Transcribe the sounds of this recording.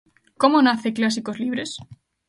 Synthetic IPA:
ko̞monaθe̞klas̬iko̞zliβ̞ɾe̞s

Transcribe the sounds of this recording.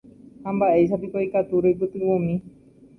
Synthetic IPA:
hãmbaʔe̞jʃ̬apikoikat̪uɾejp̬ɨt̪ɨʋõmĩ

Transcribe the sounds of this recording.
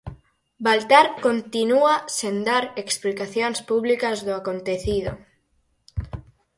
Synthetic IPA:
balt̪aɾkont̪inuasend̪aɾeksplikaθjonspuβlikɐzðʊakont̪eθiðo̰

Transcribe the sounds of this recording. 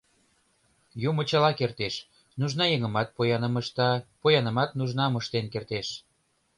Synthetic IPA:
jumə̆t͡ɕəlɑkert̪eʃ | nuʒnɑjeŋə̆mɑt̪̚pojɑnəməʃt̪ɑpojɑnə̆mɑt̪̚nuʒnɑməʃt̪enkert̪eʃ

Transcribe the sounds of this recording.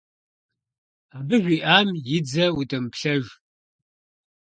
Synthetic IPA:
aːbɨʒʷiːʔaːmjɪd͡zɐwudʼɐmpɬɐʒ

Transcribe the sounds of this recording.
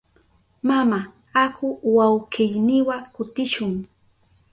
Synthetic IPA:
mama | akʊwawɢkɪjnɪwakʊt̪ɪʃʊŋ

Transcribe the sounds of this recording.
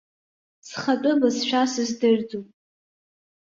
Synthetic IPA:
sχat͡pʼʊmɨzʃᶣasɨzdɨrd͡zupʼ

